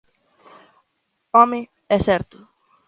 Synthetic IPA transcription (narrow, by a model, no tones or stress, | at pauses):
ɔmɪ̃ | ɛsɛɾt̪ʊ